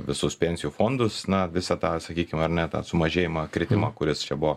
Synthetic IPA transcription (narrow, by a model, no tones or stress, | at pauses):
ʋʲɪsʊspʲɛnʲsʲɪjufoːnd̪ʊsnɐʋʲɪsɐt̪ɑːsɐkʲiːkʲɪmɐrnʲɛt̪ɑ̰ːsʊmɐʒʲeːjɪmɑkɾʲɪt̪ʲɪmɑːkʊɾʲɪst͡ʃʲɛbʊʋɔ